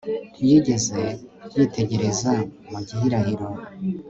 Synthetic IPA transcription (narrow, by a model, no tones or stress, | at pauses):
ɾijiɟe̞ze̞jitʰe̞ɟe̞ɾezamuɟiɦiɾahiɾo